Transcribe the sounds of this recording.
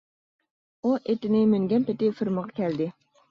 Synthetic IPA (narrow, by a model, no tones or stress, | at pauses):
uʔet̪ɪnɪmyŋɡʲɛnpɪt̪ɪfɪɾməʁɑkʲʰæld̪ɪ